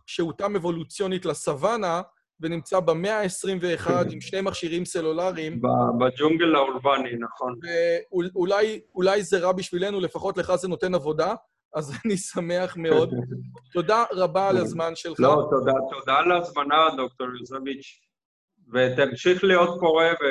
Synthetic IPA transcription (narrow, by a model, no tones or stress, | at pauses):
ʃeutame̞vo̞lut͡sjo̞nitlasavana | venimt͡sabeme̞aesʁimve̞ːχad̪imʃnejmaχʃiʁimse̞lulaʁimbabad͡ʒuŋɡelauɾbaninaχonveuulajulajzeʁabiʃvile̞nule̞faχo̞tle̞χazeno̞t̪e̞navo̞da | azanisame̞aχme̞o̞d̪t̪o̞daʁabalazmanʃellot̪od̪at̪od̪alazmanad̪ok̚t̪oɾjozevit͡ʃ | vet̪amʃiχlijo̞t̪̚ko̞ʁeve